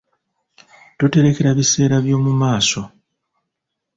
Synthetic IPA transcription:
tote̞ɾe̞ke̞ɾaβise̞ːɾaβjo̞ːmumaːso̞

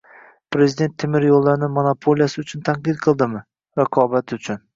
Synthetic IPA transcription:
pɾe̞zɪd̪e̞nt̪ʰːɪmɪɾjolˠːaɾnɪmonapʰolʲˠijasɪʊt͡ʃʰʊnt̪ʰaɴqɨd̪qʰɨlˠd̪ɪmɪ | ɾaqʰɒbat̪ʰʊt͡ʃʰʊn

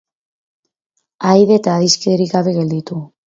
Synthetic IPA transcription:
ajðeːt̪aːðiskeðeɾiɣaβe̞ɣe̞ld̪it̪u

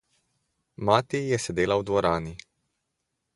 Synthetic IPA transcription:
maːt̪ijɛsɛd̪eːlawd̪ʋɔɾaːni

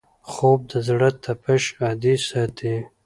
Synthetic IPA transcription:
xob̚d̪əzɽət̪ʰːapəʃɑːd̪isɑt̪ʰi

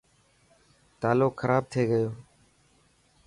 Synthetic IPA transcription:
t̪aːloːkxʰəɾaːb̚t̪ʰeːɡəjoː

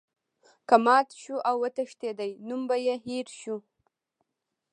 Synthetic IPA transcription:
kamɑt̪ʃuʔawːət̪aʂt̪ed̪ajnumbajeɦiɾʃu

